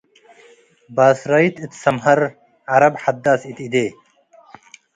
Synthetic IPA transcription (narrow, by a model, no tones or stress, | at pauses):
baːsɾait̪it̪sɐmɦɐɾ | aɾɐbħɐd̪ːaːsit̪id̪eː